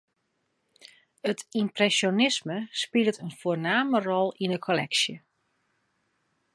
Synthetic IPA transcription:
ətʰimprɛsjonɪsməspɪlˠtʰənfoːnaːmərɔlˠinəkʰolɛ̰ksjə

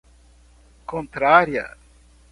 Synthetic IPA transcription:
kõnt̪ɾaɾjɐ̰

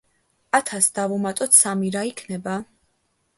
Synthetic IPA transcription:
at̪ʰasd̪avumat̪ʼɔt̪samiɾaikʰnɛba

